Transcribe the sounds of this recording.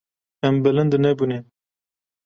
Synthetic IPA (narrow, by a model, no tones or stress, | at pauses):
ɛmbɨlɨnd̪ɨnɛbune